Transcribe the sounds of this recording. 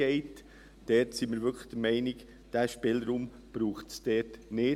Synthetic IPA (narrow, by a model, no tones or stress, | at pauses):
ɛɪt | d̥ɛtsiməɾʋʏkʰlə̥d̥əmɛɪnɪk | d̥æʃpɪlɾuːm | b̥ɾuːχtsd̥ɛtneː